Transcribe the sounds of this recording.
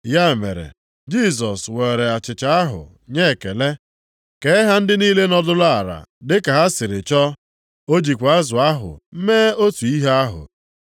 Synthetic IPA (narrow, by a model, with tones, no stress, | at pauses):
ja˦˨mḛ˨ɾḛ˨ | d͡ʒi˦˨s̬ɔ˨swe˨ɾe˨a˨t͡ʃɪ˨t͡ʃa˨˦a˦ɦʊ̰˨ | ɲe˦˨ke˨le˦ | ke˨ɪ˦ɦa˦n̩˦dɪ˦niː˦le˦nɔ˦dʊ˦lʊ˦a˨ɾa̰˨dɪ˦ka˨ɦa˦sɪ˨ɾɪ˨t͡ʃɔ˦ | o˦d͡ʒi˨kʷa˦zʊ˨a˦ɦʊ̰˨m̩˦meː˦o˦tu˨i˦ɦe˦a˦ɦʊ̰˨